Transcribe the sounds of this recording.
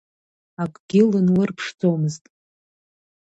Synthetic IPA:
akʷʼɡʲɪlɨnlɨrpʰʂd͡zʼowmɨztʼ

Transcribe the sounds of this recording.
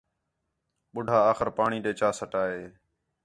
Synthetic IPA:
ɓʊɖʱaːaːxəɾpaːɳiːɗeːt͡ʃaːsəʈaːɦeː

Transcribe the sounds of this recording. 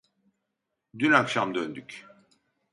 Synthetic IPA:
d̪ynakʃamd̪ønd̪yk

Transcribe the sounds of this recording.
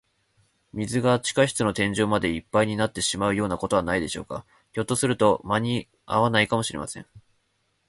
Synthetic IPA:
mʲizɨɡat͡ɕi̥kaiɕi̥t͡sɨno̞t̪ẽɲ̟d͡ʑo̞ːmad̪e̞ipːaiɲ̟inat̪ːe̞ɕimaɯ̟jo̞ːnako̞t̪o̞β̞anaid̪e̞ɕo̞ːka̰ | ço̞t̪ːo̞sɨɾɯ̟t̪o̞maɲ̟i | a̰βanaikamo̞ɕiɾe̞̰ma̰sẽ̞ŋ

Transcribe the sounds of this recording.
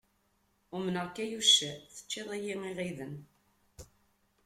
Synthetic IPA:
ʊmənəʁkːæjuʃæθə̥t͡ʃːɪðˤæjiŋiʁiðən

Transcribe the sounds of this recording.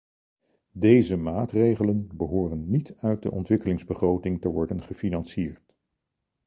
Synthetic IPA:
dejzəmaːtrejχələnbəɦʊːrənːitʰœɥt̚də̰ʔɔ̰ntʋɪkəlɪŋzbəχrowtɪŋtəʋɔɹdənχəfinɑnsiːɹt

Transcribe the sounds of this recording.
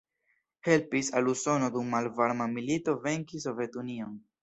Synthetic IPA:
he̞lpisaluso̞no̞dumːalvaɾmamilito̞ve̞ŋkis̬o̞ve̞tunio̞n

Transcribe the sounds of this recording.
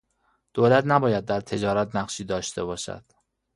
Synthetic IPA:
d̪̥oːlæt̪ʰnæbɒːjæd̪̚ːæɾt̪ʰe̞d͡ʒɒːɾæt̪næqʃiːd̪ɒːʃt̪ʰe̞βɒːʃæ̰d̪̥

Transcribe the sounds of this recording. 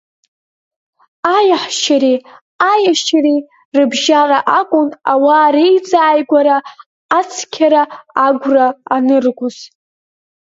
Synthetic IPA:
ajaħʃaɾi | ajaʃari | rɨbʒaraʔakʷʼʊnawaːɾejt͡sʼaːjɡʷaɾaː | t͡sʰkʲʰaɾaːɡʷraːnɨrɡʷʊz̥

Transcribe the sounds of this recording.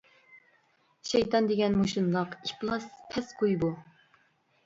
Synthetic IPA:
ʃɛjt̪ɑnd̪eɡʲɛnmoʃunlˠɑqiplˠɑspʰɛsqʰojbu

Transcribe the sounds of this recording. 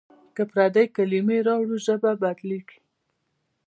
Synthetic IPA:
kapɾad̪ajkalimeɾɑwɽuʒəbabad̪liki

